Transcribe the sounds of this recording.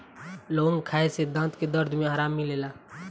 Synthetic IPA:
loːŋɡkʰaːesed̪ãːt̪ked̪əɾd̪ʱmẽɦəɾaːmːileːlaː

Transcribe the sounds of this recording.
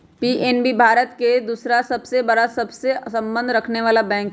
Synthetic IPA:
piːʔeːnbibʱaːɾət̪ked̪uːsɾasɐbsebɐɽasɐbsesɐ̃mbə̃nd̪ʱɾɐkʰneʋaːlabɛ̃ːŋk

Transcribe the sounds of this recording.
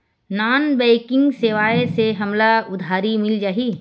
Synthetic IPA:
naːnbɛɪkɪ̃ŋɡseːʋaːeseɦɐmlaʊd̪ʱaːɾimɪld͡ʒaːɦi

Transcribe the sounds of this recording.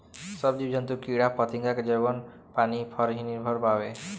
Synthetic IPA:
sɔbd͡ʒibd͡ʒɔnt̪ukiɽapɔt̪iŋɡaked͡ʒebɔn | panipʰɔɾɦiniɾbʱɔɾpabe

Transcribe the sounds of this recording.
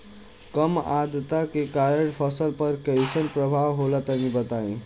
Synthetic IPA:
kəmad̪t̪akekaɾeʈpʰəsəlpəɾkəjsənpɾəbʱawɦolat̪əmibət̪aĩ

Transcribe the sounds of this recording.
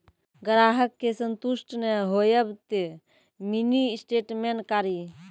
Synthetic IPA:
ɡɾaːɦəkːesənt̪uʃʈneɦojəbt̪e | minisʈeːʈmenkaːɾi

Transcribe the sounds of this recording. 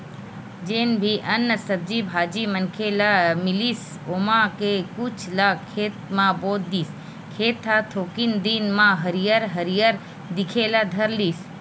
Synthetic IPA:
d͡ʒeːnbʱiʔɐnːəsəb̚d͡ʒibʱaːd͡ʒimənkʰelamɪlis | oːmãkekʊt͡ʃʰlaːkʰːeːt̪mãboːt̪̚d̪iːs | kʰeːt̪ʰːat̪ʰoːkind̪inmãɦəɾijəɾɦəɾijəɾ | d̪ɪkʰelad̪ʱəɾliːs

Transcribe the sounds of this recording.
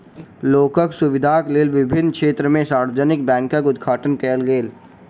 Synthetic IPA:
loːkəksʊʋɪd̪ʱaːkleːlʋɪbʱɪnkʃeːt̪ɾəmẽsaːɾʋəd͡ʒənɪkbɛ̃ːŋkəkʊd̪ɡʱaːʈənkɛːlɡeːl

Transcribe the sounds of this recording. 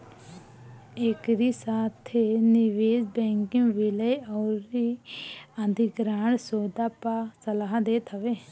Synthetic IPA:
ekɾisaːt̪ʰenɪʋeːd͡ʒbɛ̃ːŋkɪŋʋɪləjɔːɾi | ə̃nd̪ʱiɡɾaːɳsoːd̪aːpasəlaːɦd̪eːt̪ʰɦəʋeː

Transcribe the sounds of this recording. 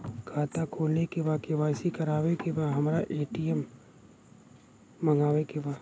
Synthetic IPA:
kʰaːt̪akʰoːlnekebaːkebaːɪsikɐɾaːʋekebaːɦɐmɾaʔeːʈijɛm | ɐŋɡaːʋekebaː

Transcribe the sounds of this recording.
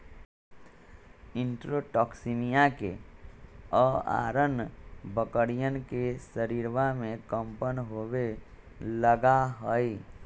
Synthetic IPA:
ɪ̃nʈɾoʈɔːksimijake | ɔa̰ːɾənbəkəɽijənkesəɾiːɾʋamẽkə̃mpənɦowe | ləɡaɦoi

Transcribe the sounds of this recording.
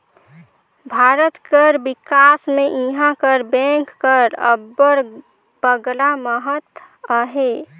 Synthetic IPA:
bʱaɾət̪kəɾbikasmeʔiɦãkəɾbɛ̃ŋkːəɾə̰bːəɾ | b̥əɡlaməɦət̪ | əɦe

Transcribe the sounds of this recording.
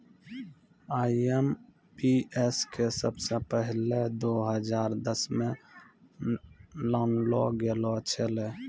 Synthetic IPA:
aːem | pieskesəbsepəɦɪled̪oːɦəd͡ʒaːɾd̪əsmẽ | laːnloɡelot͡ʃʰele

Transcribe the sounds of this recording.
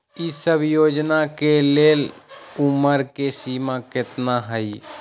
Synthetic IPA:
isəbʱjoːd͡ʒnakeleːluməɾkesimakɪt̪naɦəi

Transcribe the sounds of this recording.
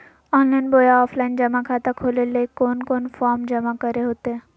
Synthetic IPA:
ɔːnlaɪnboːjaɔːfʰlaːɪnd͡ʒɐmakʰaːt̪akʰoːlelekoːnkoːnfɔːɾmd͡ʒɐmakɐɾeɦoːt̪eɦɛ̃ː

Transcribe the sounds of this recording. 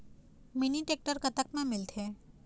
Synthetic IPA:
miniʈek̚ʈəɾkət̪akmãmilt̪ʰe

